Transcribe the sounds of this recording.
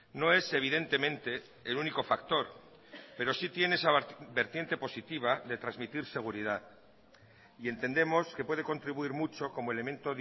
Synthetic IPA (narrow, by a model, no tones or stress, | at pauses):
no̞e̞se̞β̞iðe̞nt̪e̞mẽnt̪e̞ː | luniko̞fakt̪o̞ɾ | pe̞ɾo̞sit̪je̞neesabe̞ɾt̪je̞nt̪e̞po̞sit̪iβ̞aðe̞t̪ɾazmit̪iɾse̞ɣ̞uɾið̞aθ | ie̞nt̪e̞nd̪e̞mo̞ske̞pwe̞ð̞eko̞nt̪ɾiβuiɾmut͡ʃo̞ko̞moelemẽ̞nt̪o̞ð